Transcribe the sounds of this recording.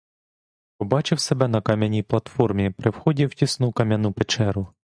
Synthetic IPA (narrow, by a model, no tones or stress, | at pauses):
pɔbɑt͡ʃɪwsebɛnɐkɑmʲɐnʲijplˠɐt̪fɔrmʲipɾɪwxɔdʲiwtʲisnukɐmʲjɐnupet͡ʃɛɾʊ